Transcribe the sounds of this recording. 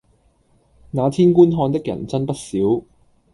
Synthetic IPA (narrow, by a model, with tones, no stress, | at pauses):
naː˨˧t̪ʰiː˥nkuː˥nɦɔː˧nt̪ɪ˥k̚jɐ̰˨˩nt͡sɐ˥npɐ˥t̚siː˨˥w